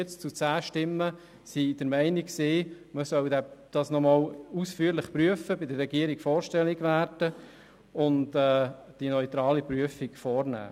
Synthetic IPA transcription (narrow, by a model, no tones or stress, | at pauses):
ɛt͡st͡sut͡sæːʃtɪmːə | sid̥əɾmæɪnikksiː | məsœldæd̥ɑsnɔmɑːlusfyəɾlɪχpɾyəfəbɪdərːɛɡiəɾiɡfɔːɾʃtɛliɡʋæːɾdə | ʊntɛː | d̥inœʏt̪ɾɑːlipɾyəfiɡfɔːɾnæ̰ː